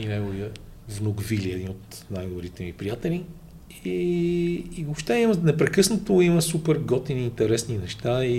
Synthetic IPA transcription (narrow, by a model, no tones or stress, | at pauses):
inɛjɡʊviəvnoɡviliɛd̪inot̪ | najd̪ʊɾit̪ɛmipɾijat̪ɛli | i | vopʃt̪ɛimənɛpɾɛkɤsnət̪oiməsupɛɾɡɔt̪iniːnt̪ɛɾɛsninɛʃt̪ai